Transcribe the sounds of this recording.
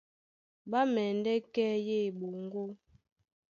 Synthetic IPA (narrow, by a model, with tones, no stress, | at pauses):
ɓa˦mɛ˨n˦dɛ˦kɛ˦je˦˨ɓo˨ŋ˦ɡo˦